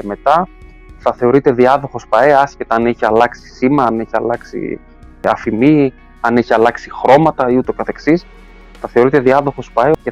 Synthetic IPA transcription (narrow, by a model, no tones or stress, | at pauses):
eme̞t̪ɐ | θɐθe̞o̞ɾit̪e̞ðiɐðo̞xo̞spɐeɐscet̪ɐɐneçiɐlɐksi̥simɐɐneçiɐ̰lɐksḭ | ɐ̰fimi | ɐneçiɐlɐksixɾo̞mɐt̪ɐiut̪okɐθe̞ksis | θɐθe̞o̞ɾit̪e̞ðiɐðo̞xo̞spɐee